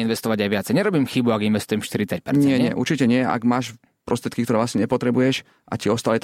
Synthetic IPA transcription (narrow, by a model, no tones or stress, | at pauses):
inʋɛst̪ɔʋaɟajʋɪat͡sɛjɲɛɾɔbiːmxibuaɡinʋɛst̪ujɛmfʃt̪iɾit͡sac̚pɛɾɲɛɪɛɲɪɛ̰ʔṵɾt͡ʃicɛɲɪɛa̰ɡmaːʃ | pɾɔst̪ɾjɛt̪kikt̪ɔɾɛːʋlasɲɛɲɛpɔt̪ɾɛbujɛʃ | ʔa̰ciɔst̪aːlit̪